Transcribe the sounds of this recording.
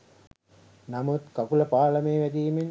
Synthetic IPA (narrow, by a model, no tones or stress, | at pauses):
namut̪kakuləpaːləmeːʋæd̪iːmen